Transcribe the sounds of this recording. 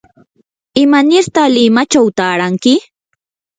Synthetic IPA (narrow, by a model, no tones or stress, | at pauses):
ɪmanɪɾt̪alɪmat͡ʃawt̪aːɾaŋkɪ